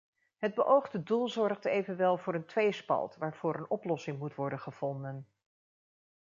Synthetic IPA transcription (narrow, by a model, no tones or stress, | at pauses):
ɦəd̚bəʔowχdədulˠzɔɹχtejvənʋɛlˠvʊːɾəntʋejspɑ̰lˠtʋaːɹv̥ʊːɹənɔplɔsɪŋmutʋɔɹdənχəv̥ɔndən